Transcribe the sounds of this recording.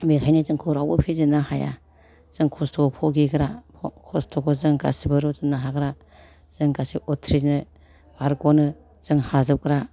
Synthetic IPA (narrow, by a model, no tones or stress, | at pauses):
mekʰajnizɯŋkʰoɾawbɯpʰezɯnahaja̰ | z̥ɯŋkʰɔstʰɔɡɔpʰɔɡiɡɾa | kʰɔstʰɔɡɔzɯŋɡa̰sibaɾuzɯnaɦaɡɾa | z̥ɯŋɡasiɔtʰɾinɯ | baɾɡɔnɯ | z̥ɯŋhazɯp̚ɡɾa